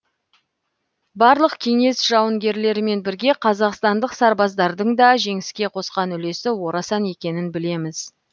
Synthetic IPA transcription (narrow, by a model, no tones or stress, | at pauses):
bɑɾlˠəqkʲʰe̞ŋe̞sʒ̥ɑwəŋɡʲe̞ɾle̞ɾɪme̞nbɪɾɡʲe̞qʰɑzɑqst̪ɑnd̪əqsɑɾbɑzd̪ɑɾd̪əɴd̪ɑʒe̞ŋɪskʲe̞qʰo̞sqɑnʏle̞sɪwo̞ɾɑsɑne̞kʲe̞nɪnbɪle̞mɪz